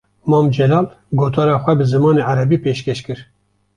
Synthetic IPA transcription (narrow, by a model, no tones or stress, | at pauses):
mɑːmd͡ʒɛlɑːl | ɡoːt̪ʰɑːɾɑːxʷɛbɨzɨmɑːneːaɾɛbiːpeːʃkɛʃkɨɾ